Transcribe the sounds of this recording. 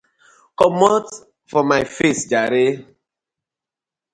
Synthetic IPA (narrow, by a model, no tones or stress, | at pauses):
kɔmɔt | fɔmaɪfesd͡ʒaɾe